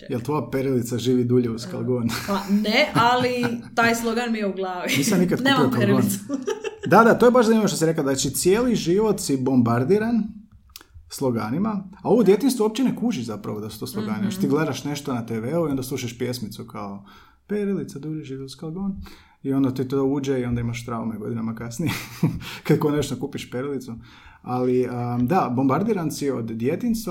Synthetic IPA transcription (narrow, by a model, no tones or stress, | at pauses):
jelˠt̪ʋo̞japeɾilit̪saʒiːʋid̪uʎeuska̰lˠɡonanealit̪aːjslˠoɡanmijeuɡlˠaːʋiniːsamnikad̪̚nuemiokalɾɡoːnd̪ad̪at̪ojebaʃzaimimoʃt̪osiɾekaznat͡ʃit̪sje̞ːliʒiʋo̞t̪sibo̞mbaɾd̪iːɾan | slˠoɡanimaao̞ʋod̪je̞t̪inst̪ʋouop̚t͡ɕenekuːʒiʒzapɾa̰ʋod̪asu̥t̪oslˠoɡaːnioʃt̪ot̪iɡle̞d̪aʃne̞ʃt̪onat̪eʋeuio̞nd̪aslˠuːʃaʃpje̞smit̪sukao | peɾilit̪sad̪uʒiʒitoskalˠɡon | io̞nd̪at̪it̪ouːd͡ʒeio̞nd̪aimaʃt̪ɾaumeɡo̞̰d̪inamakasnijekad̪konet͡ʃt̪okupiʃpeɾilit̪su | aliəd̪abo̞mbaɾd̪iɾansiod̪d̪je̞t̪inst̪ʋa